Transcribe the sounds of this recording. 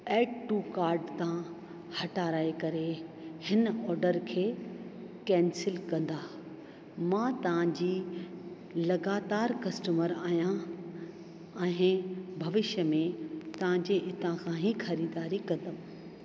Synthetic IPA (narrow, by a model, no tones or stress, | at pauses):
ɛːk̚ʈuːkaːɾɖt̪ʰã | hɐʈaːɾaːekɐɾehɪnɔːɾɖəɾkʰeː | kɛ̃ːnsɪlkɐ̃nd̪aː | mãt̪ɐʋ̤ãɲd͡ʑiː | lɐɡaːt̪aːɾkɐsʈəməɾaːɦjã | ɛ̃ːbʱɐʋɪʃəmẽt̪ɐʋ̤ãɲd͡ʑeʔɪt̪ʰãkʰãːɦixɐɾiːd̪aːɾikɐ̃nd̪əm